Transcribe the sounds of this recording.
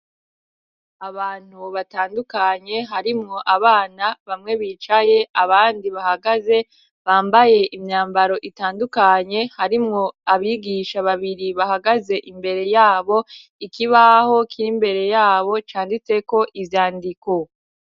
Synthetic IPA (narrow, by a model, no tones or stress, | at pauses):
aβaːn̥huβataːndukaɲe̞ɦaɾimŋo̞ʔaβaːnaβamŋe̞βiːt͡ʃaje̞ʔaβaːndiβahaɡaze̞ | βaːmbaje̞ʔimɲaːmbaɾo̞ʔitaːndukaɲe̞haɾimŋo̞aβiɡiʃaβaβiɾiβahaɡaze̞ʔimbe̞ɾe̞jaːβo̞ | ikiβaho̞kʰiimbe̞ɾe̞jaːβo̞t͡ʃaːndit͡se̞ko̞ʔivjaːndiko